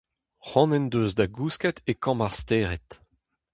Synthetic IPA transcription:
χɔ̃nɛnd̪øːzd̪aɡuskɛt̪ʰekɑ̃maʁst̪eːʁɛt̪

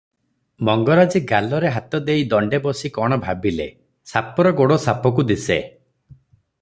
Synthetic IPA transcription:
mɔŋɡɔɾad͡ʒiɡalɔɾeɦat̪ɔd̪ejd̪ɔɳɖebɔsikɔɽ̃ɔbʱabile | sapɔɾɔɡoɽosapɔkud̪ise

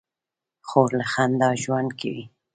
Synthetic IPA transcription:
xoɾlaxand̪ɑʒwand̪kʰa̰wi

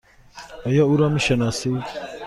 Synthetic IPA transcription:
ajauɾamiʃɐnase

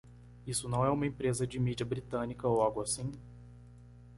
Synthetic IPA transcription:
isʊnɐ̃w̃ɛũmɐẽpɾezɐd͡ʒɪmid͡ʒiɐbɾit̪ɐ̃nikɐowaɡʊasĩ

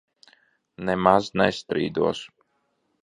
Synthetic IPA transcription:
nɛmaznɛst̪ɾḭːd̪uɔs

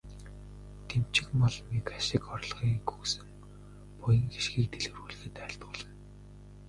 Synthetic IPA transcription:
t̪ʰem̥t͡ɕɪ̆kmɔɮmikaʃɪ̆kɔrɮχiːŋɡuːsɘ̆ŋ | pʊjə̆ŋxeʃɡiːk̚t̪ʰeɮɘ̆wruːɮ̆ɣɘ̆t̪æ̆ːɬt̪ʊːɮə̆n

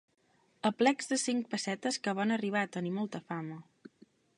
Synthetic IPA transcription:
əplɛɡzðəsiŋk̚pəsɛt̪əskəβ̞anəriβ̞aːt̪ənimɔlˠt̪əfamə

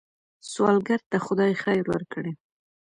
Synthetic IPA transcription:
swɑlɡaɾt̪axʊd̪ɑjxajɾwa̰ɾkəɽe

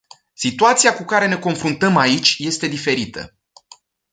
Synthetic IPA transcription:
sit̪uat̪siakukaɾe̞ne̞ko̞nfɾunt̪əmait͡ʃʲje̞st̪e̞d̪ife̞ɾit̪ə̰

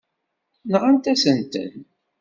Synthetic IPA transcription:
nʁant̪æsənt̪ə̰n

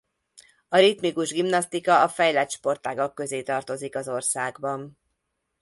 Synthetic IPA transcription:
ɒɾit̪mikuʒɡimnɒst̪ikɒɒfɛjlɛt̪ʃpo̞rt̪aːɡokːø̞zeːt̪ɒrt̪o̞zikɒzo̞rsaːɡbɒn

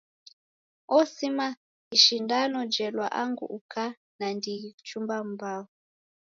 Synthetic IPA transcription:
ɔsima | iʃindanɔd͡ʒɛlwa̰ʔaŋɡṵʔukʰa | nandiiut͡ʃumbam̩bau

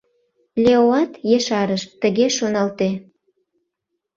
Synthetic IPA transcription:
lʲeoɑt̪jeʃɑɾəʃt̪əɣeʃonɑlt̪e

